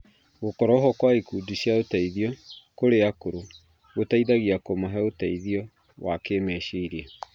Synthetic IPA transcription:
ɣokɔɾɔɦɔkwaikudiɕjaotaiðjɔkoɾeakoɾo | ɣotaiðaɣiakomaɦɛotaiðijɔ | wakemɛʃeiɾiɛ

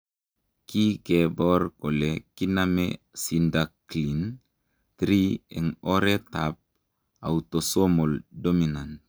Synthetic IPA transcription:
kiɡebɔɾkolekiname | sindaklin | tɾiḛŋoɾetap̚ | awutosomoldominant

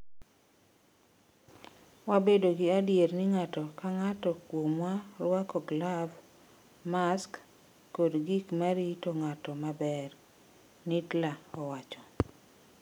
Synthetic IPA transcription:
wabedoɡɪadjeɾnɪŋatɔkaŋatɔkwomwaɾwakɔɡlav | maskː | odɡikmaɾitoŋatɔmabɛr | nitlaɔwat͡ʃɔ

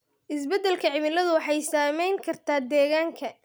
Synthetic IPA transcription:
ʔɪsbɛd̪ɛlkʰɐʕɪmɪlɐðʊwɑħɑjsaːmɛjŋkʰɐrt̪ʰaːd̪ɛːɣaːŋkʰɐ

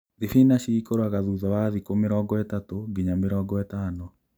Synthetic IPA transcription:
ðifinaɕiikoɾoaɣaðuðɔwaðikomeɾɔːŋɡɔɛtatoɡiɲameɾɔːŋɡɔɛtaːnɔ

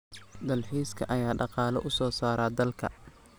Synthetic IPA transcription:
d̪ɐlħiːskʰɐ̰ʔɐjaːɖɑqɑːlɐ̰ʔʊsɔːsaːɾaːd̪ɐlkʰɐ̰

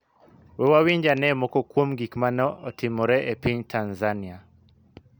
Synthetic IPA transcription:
wɛwawiɲd͡ʒanɛmɔkɔkwomɡikmanɔɔtɪmɔɾɛʔepiɲtʰanzania

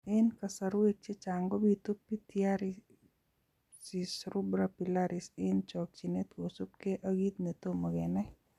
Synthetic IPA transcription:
enkɐsɐɾuek̚t͡ʃet͡ʃaːŋɡobit̪upːit̪ijaɾi | sisɾubɾapilaɾiseːnt͡ʃɔːk̚t͡ʃinet̪kosupkeʔəɡit̪net̪omɐɡena

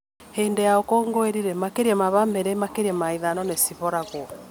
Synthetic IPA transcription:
heːndɛjaɔkɔŋɡoeɾiɾɛmakeɾiɛmaβameɾemakeɾɛmaiðanɔnesiβɔɾaɣoɔ

